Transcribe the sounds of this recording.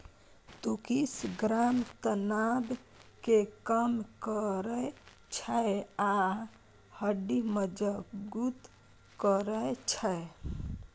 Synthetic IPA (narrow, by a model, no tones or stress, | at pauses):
t̪ukisɡɾamt̪ənab | kekəmkəɾəj | t͡ʃʰəea | həɖiməd͡ʒəɡut̪ | kəɾət͡ʃʰəe